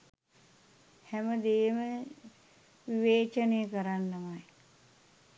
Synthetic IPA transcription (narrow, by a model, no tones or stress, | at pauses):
hæməd̪eːmə | ʋiʋeːt͡ʃənejəkəɾanːamaj